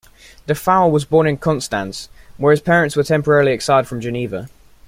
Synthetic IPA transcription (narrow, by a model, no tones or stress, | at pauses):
ðəfaʊəlˠwɒzbɔːnɪ̃nkʰɒ̃nstãnswəɪz̥pʰɛːɹə̃ntswətʰɛ̃mpəɹɛɹəliɛksaɪd̥fɹə̃md͡ʒəniːvə